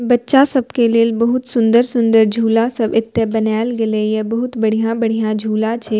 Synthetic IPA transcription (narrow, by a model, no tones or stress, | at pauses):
bɐtːʃasɐbkelilbɐɦʊt̪sʊ̃nd̪əɾsʊ̃nd̪əɾd͡ʒʱuːlasɐbɪt̪ːebɐnaːɪlɡɐlejɐbɐɦʊt̪bɐɽ̤ijãbɐɽ̤ijãd͡ʒʱuːlat͡ʃʰeː